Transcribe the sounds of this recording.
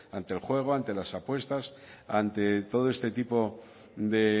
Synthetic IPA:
ant̪e̞lxwe̞ɣ̞oant̪e̞lasapwe̞st̪as | ant̪e̞t̪o̞ð̞oest̪e̞t̪ipo̞ | d̪e̞

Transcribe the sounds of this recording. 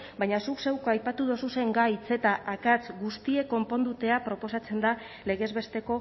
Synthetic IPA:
bajɲasukse̞wkajpat̪uð̞o̞suse̞ŋɡajt͡se̞t̪aʔakat͡sɡust̪ie̞ko̞mpo̞nd̪ut̪e̞apɾo̞po̞sat͡se̞nd̪a | le̞ɣ̞e̞zβe̞st̪e̞ko̞

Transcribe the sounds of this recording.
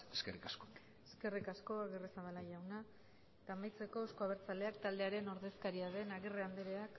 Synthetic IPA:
eskerikasko | eske̞rikasko̞aɣeresaβalaʝawna | et̪amajt͡se̞ko̞osko̞aβeɾt͡sale̞ak̚t̪ald̪e̞aɾe̞no̞ɾðe̞skaɾiaðe̞naɣereand̪eɾe̞ak

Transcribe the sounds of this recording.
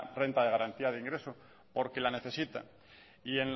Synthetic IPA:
re̞nt̪að̞e̞ɣ̞aɾant̪iað̞eiŋɡɾe̞so | po̞ɾke̞lane̞θe̞sit̪a̰ | ie̞n

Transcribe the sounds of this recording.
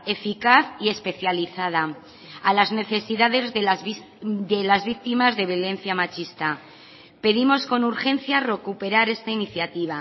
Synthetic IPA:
e̞fikaθie̞spe̞θjaliθað̞a | alazne̞θe̞siðaðe̞z | d̪elazβik̚t̪imazðe̞β̞jo̞le̞n̟θjamat͡ʃist̪a | pe̞ðimo̞sko̞nuɾxe̞nθjare̞kupe̞ɾaɾe̞st̪ainiθjat̪iβ̞a

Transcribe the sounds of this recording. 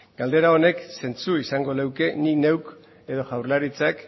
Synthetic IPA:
ɡ̥ald̪e̞ɾao̞ne̞kse̞nt͡suisaŋɡo̞lewke̞nine̞wk | e̞ðo̞ʝawɾlaɾit͡sak

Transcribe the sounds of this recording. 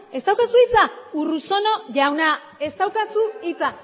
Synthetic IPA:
e̞st̪awkasuit͡sauruso̞no̞ʝawna | e̞st̪awkasuit͡sa

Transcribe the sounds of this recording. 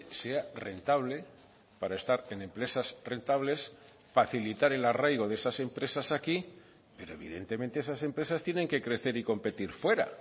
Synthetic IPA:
se̞are̞nt̪aβ̞le̞ | paɾaest̪aɾe̞nẽ̞mpɾe̞sasre̞nt̪aβle̞s | faθilit̪aɾe̞larajɣ̞o̞ðeesase̞mpɾe̞sasaki | pe̞ɾo̞e̞βḭðe̞nt̪e̞mẽnt̪e̞esase̞mpɾe̞sast̪je̞ne̞ŋke̞kɾe̞θe̞ɾiko̞mpe̞t̪iɾfwe̞ɾa̰

